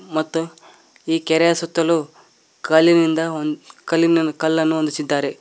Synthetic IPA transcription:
mɐt̪ːu | iːkɛɾɛjɐsut̪ːɐlu | kɐlːinind̪ɐkɐlːinɐkɐlːɐnːuɦond̪usid̪ːaːɾe̞

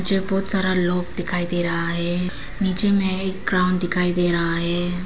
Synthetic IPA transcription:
d͡ʒebɔːt̪saːɾaloːk̚d̪ɪkʰaːid̪eːɾɐɦaɦe | niːt͡ʃemẽeːk̚ɡɾaʊɳd̪ɪkʰaːid̪eːɾaɦaɦe

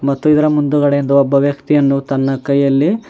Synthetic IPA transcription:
mɐt̪ːuid̪ɐɾɐmund̪uɣɐɽeend̪uɔbːɐʋjɐkt̪ijɐnːut̪ɐnːɐkɐjːɐlːi

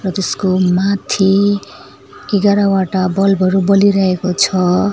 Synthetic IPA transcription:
rʌt̪eskomat̪ʰi | eɡaɾawaʈabʌlbʱʌɾubʌliɾʌɦekot͡sʰʌ

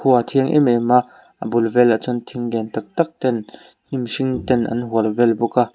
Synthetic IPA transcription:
kʰuat̪ʰiəŋʔɛ̰mɛma | ʔəbʊlvɛlat͡sʊnt̪ʰiŋɡɛnt̪ak̚t̪ak̚t̪ɛn | n̥imsiŋt̪ɛnʔɐ̰nɦuəlvɛlbuka

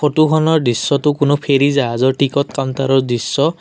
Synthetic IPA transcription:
kʰotukʰɔnɔɹdisːɔtʊkʊnʊpʰeɹizaazɔɹʈikɔtkantaɾɔɹdisːɔ

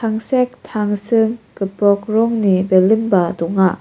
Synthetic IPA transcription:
tʰaŋsek̚tʰaŋsɯmkɯpɾɔk̚ɾɔŋnibelɯmbɐdɔŋa

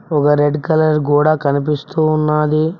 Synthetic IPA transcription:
ɔkɐɾeɖkɐlɐɾk̬uːɽaːkɐnipist̪uːnːaːd̪i

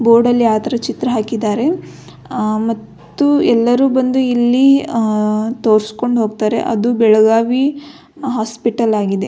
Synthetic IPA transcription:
boːɾɖɐlːiaːt̪ɐɾɐt͡ʃit̪ɾɐɦaːkid̪aːɾe̞ | mɐt̪ːuɛlːɐɾuːbɐnd̪uilːi | t̪o̞ːɾsko̞ɳɖɦoːɡ̚t̪aːɾe̞̰ʔɐ̰d̪ubɛɭɐɡaːʋi | ɦaːspiʈɐlaːɡid̪e̞

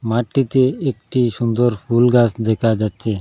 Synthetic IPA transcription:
maʈːit̪eek̚ʈiʃund̪oɾpʰulɡasd̪ɛkʰad͡ʑatːɕʰe

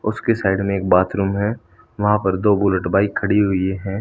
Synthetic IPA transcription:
ʊskesaːɪɖmẽeːk̚baːt̪ʰɾũːmɦɛ̃ː | ʋɐɦãpɐɾd̪oːbʊləʈbaːikʰɐɽiɦʊieɦɛ̃ː

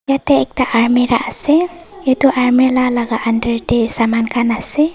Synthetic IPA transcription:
jatɛːk̚taʔaɹmiɾaʔasɛetuʔaɹmilalaɡaʔandəɹtesamankʰanasɛ

